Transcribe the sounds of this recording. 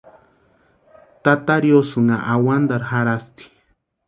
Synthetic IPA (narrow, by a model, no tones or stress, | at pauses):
t̪at̪aɾjosɨŋaʔawand̪aɾxaɾast̪i̥